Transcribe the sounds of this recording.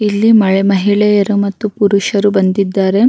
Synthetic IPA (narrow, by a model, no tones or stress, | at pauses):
ilːimɐɭɛmɐɦiɭɛjɐɾumɐt̪ːupuɾuʃɐɾubɐnd̪id̪ːaːɾe̞